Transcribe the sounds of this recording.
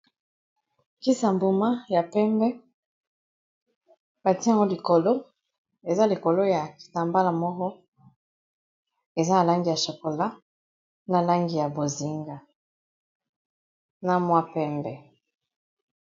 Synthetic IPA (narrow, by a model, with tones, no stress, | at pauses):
ki˦sa˨mbu˨ma˦ja˨pɛ˦mbɛ˦ | b̥a˨ti˦a˨ŋɡo˦li˨ko˨lo˦ | e˨za˦li˨ko˨lo˦ja˨ki̥˨ta˨mba˦la˨mɔ˦kɔ˦ | e˨za˦na˨la˦ŋɡi˨ja˨ʃo˨ko˨la˦ | na˨la˦ŋɡi˨ja˨bo˨zi˦ŋɡa˨ | na˨mwa˦pɛ˦mbɛ˨